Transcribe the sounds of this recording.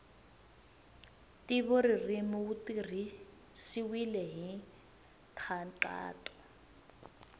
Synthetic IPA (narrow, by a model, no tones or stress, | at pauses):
tʼiβɔririmɔutiri | siwilɛɦi | tʰaǃa̰ːtʼɔ̥